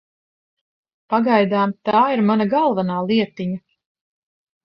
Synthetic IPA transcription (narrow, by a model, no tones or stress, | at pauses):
paɡajd̪aːmt̪aːiɾmanaɡalˠvanaːlˠiɛt̪iɲa